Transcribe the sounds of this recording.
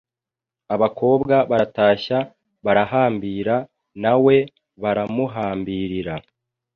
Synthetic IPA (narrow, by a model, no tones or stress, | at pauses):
aβakʰo̞ːbɡaβaɾataːça | βaɾahaːmbiːɾa | nawe̞ | βaɾamuɦaːmbiɾiɾa